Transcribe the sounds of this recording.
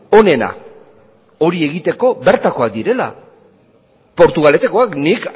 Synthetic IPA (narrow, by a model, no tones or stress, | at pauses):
o̞ne̞na̰ | o̞ɾie̞ɣit̪e̞ko̞βe̞ɾt̪ako̞ak̚d̪iɾe̞la̰ | po̞ɾt̪uɣale̞t̪eko̞aknik